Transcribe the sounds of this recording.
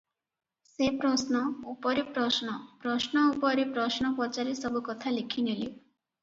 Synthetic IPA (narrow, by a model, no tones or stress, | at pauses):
sepɾɔsnɔupɔɾepɾɔsnɔpɾɔsnɔupɔɾepɾɔsnɔpɔt͡ʃaɾesɔbukɔt̪ʰalikʰinili